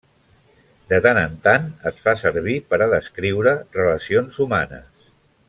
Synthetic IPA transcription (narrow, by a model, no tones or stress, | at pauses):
d̪ət̪anənt̪anəsfasəɾβ̞ipəɾəðəskɾiwɾərələsionzuma̰nə̰s